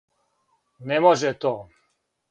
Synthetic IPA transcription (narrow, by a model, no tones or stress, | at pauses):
nemoʒɛt̪oː